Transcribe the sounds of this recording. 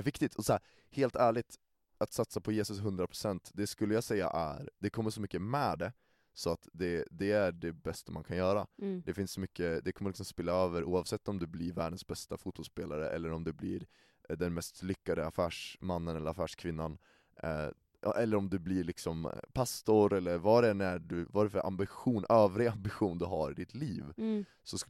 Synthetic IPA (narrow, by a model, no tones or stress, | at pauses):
vɪkt̪ɪt̪ʰɔsɔhæː | heːlt̪ʰæːɭɪt̪ | at̪sat̪sapʰɔjeːsɵsɦɵnd̪ɾapʰɾʊsɛnt̪d̪ɛskɵlːəjɑːsɛjːa̰ʔæ̰ɾd̪ɛkʰɔmːəʂɔmʏkːəmɛːd̪ɛ | sɔat̪d̪ɛd̪ɛæɖɛbɛst̪ama̰nkʰanjœːɾad̪ɛfɪnsɔmʏkːəd̪ɛkʰɔmːəɭɪksɔmspɪlːaøːvəɾʔuːɑvsɛt̪ːɔmd̪ɵblɪɾvæːɖənsbɛst̪afuːt̪̚bɔlspeːlaɾə̰ʔɛ̰lːəɾɔmd̪ɛblɪ̰ɾ | d̪ɛnmɛst̪lʏkːad̪əafæːʂmanːənɛlːəɾafæːʂkʰvɪnːan̰ | ʔɛlːəɾɔmd̪ɵblɪɭɪksɔmpʰast̪ʊɾɛlːəɾvɑɖɛnæɖɵvaɾɛfœɾʔa̰mbɪɧuːnøːvɾɪɡambɪɧuːnd̪ɵɦaɾɪd̪ɪt̪ʰliːv | sɔs